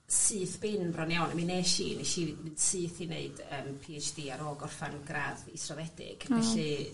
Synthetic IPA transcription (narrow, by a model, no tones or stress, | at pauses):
sɨːθb̥ɪnbrɔnjawnamineːʃḭːnɛʃimɨnsɨːθineɨd̥əːmpʰiːɛjt͡ʃd̥iːaɾɔːɡɔrfanɡraðḭsrɔðɛdɪ̰ɡ̥vɛɬɨ